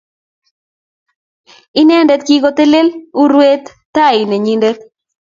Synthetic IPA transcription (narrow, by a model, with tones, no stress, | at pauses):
ɪ˦nɛ˦˨ndɛ˦t̪̚ki˦ɡo˦t̪e˦le˦lu˦ɾwe˦t̪ːa˦˨ɪ˨ne˨ɲi˦ndɛ˦t̪̚